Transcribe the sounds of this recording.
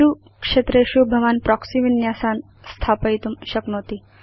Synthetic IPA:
u | kʂet̪ɾeʃubʱɐʋaːnpɾɔksiʋinjaːsaːn | st̪ʰaːpəjt̪umʃɐknot̪i

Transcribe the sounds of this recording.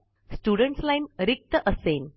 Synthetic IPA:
sʈuɖəɳʈslajnɾik̚t̪əʔəsen

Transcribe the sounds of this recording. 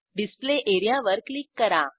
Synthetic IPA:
ɖispleʔeɾijaʋəɾklikːəɾa

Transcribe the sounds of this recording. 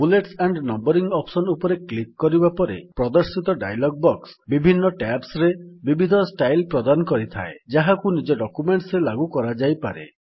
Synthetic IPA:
buleʈsaɳɖnɔmbɔɾiŋɡɔpsɔnupɔɾeklikːɔɾibapɔɾḛpɾɔd̪ɔɾsit̪ɔɖa̰jlɔɡ̚bɔksbibʱinːɔʈapsɾebibʱid̪ʱɔsʈajlpɾɔd̪anɔkɔɾit̪ʰa̰ed͡ʒaɦakunid͡ʒɔɖɔkumeɳʈsɾelaɡukɔɾad͡ʒajpaɾḛ

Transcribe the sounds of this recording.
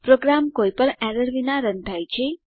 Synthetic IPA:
pɾoɡɾamkojpəɳɛɾəɾʋinaɾənt̪ʰajt͡ʃʰe

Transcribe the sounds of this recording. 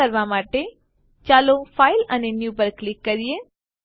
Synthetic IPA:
əɾʋamaːʈe | t͡ʃaːlofʰaːɪlənenjuːbəɾkːlɪkːəɾije

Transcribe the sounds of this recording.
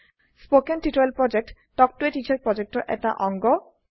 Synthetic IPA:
spokenʈiʈoelpɾɔd͡ʑek̚ʈ | ʈɔk̚ʈueʈit͡ɕaɾpɾɔd͡ʑek̚ʈoɾʔɛ̰kʈa̰ʔɔŋɡo

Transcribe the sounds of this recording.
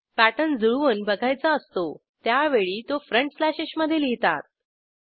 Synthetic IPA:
pæʈənd͡zuɭʋənbəɡʱajt͡səəst̪o | t̪jaʋeɭiːt̪ofɾəɳʈslaɕeɕməd̪ʱːjeliɦt̪a̰t̪̚

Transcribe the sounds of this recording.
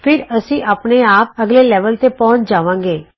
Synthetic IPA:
pʰɪɾəsĩːʔaːpneaːp̚əɡleːlɛːʋəlt̪eːpɔ̃ːt͡ʃd͡ʒaːʋãːŋɡeː

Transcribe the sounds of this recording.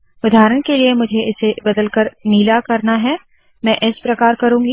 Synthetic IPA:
ʊd̪ʱaːɾəɽ̃keliemʊd͡ʒʱeɪsebɐd̪əlkəɾniːlakɐɾnaɦɛ | mɛ̃ːʔɪspɾɐkaːɾkɐɾũːɡi

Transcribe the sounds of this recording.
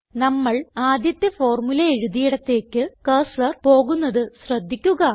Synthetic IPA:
nɐmːɐɭaːd̪jɐt̪ːjɐfo̞ːrmulɐeɻuðijiɽɐt̪ːe̞ːkːɨkɐsɐrpo̞ːɣunːɐðɨɕrɐd̪ʱːikʲːuɣɐ

